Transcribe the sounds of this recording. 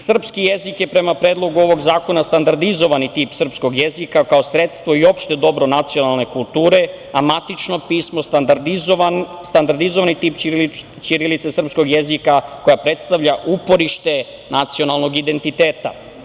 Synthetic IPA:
sr̩pskijezikjepɾe̞mapɾeːd̪lˠo̞ɡuo̞ʋo̞ɡzaːko̞nast̪and̪aɾd̪izo̞ʋanit̪iːpsr̩psko̞ɡjezikakaosɾe̞t̪st̪ʋo̞io̞pʃt̪e̞d̪o̞bɾo̞nat̪sio̞nalˠne̞kulˠt̪uːɾe | amat̪it͡ʃno̞piːsmo̞ | st̪and̪aɾd̪izoʋanit̪iːp | t͡ʃiɾilit̪sesr̩psko̞ɡjezikako̞japɾe̞t̪st̪aʋʎaʔupo̞ɾiʃt̪e̞ | nat̪sio̞nalˠno̞ɡid̪e̞nt̪it̪eːt̪a̰

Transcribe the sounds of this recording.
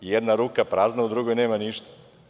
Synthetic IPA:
jɛd̪naɾuːkapɾaːznaud̪ɾuɡojneːmaniʃt̪ḁ

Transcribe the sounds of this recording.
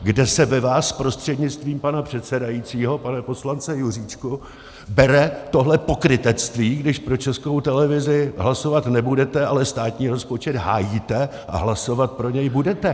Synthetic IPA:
ɡdɛsɛvɛvaːspɾo̞st̪r̝̥ɛdɲɪt͡st̪viːmpanapr̝̥ɛt̪sɛdajit͡siːɦo̞panɛpo̞slant͡sɛjur̝iːt͡ʃku | bɛɾɛt̪o̞ɦlɛpo̞kɾɪt̪ɛt͡st̪viːɡdɪʃpɾo̞t͡ʃɛskowt̪ɛlɛvɪzɪɦlaso̞vat̪nɛbudɛt̪ɛʔalɛst̪aːt̪ɲiːɾo̞spo̞t͡ʃɛd̪ɦaːjiːt̪ɛ | ʔa̰ɦlaso̞vat̪̚pɾo̞ɲɛjbudɛt̪ɛ

